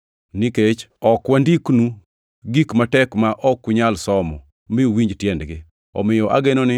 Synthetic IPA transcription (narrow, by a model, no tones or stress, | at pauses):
niket͡ʃɔkwandiknu | ɡikmatɛkmaʔɔkːʊɲalsɔmɔ̰ | mɪowiɲd͡ʒtjɛndɡɪ | ɔ̰mɪjɔʔa̰ɡenonɪ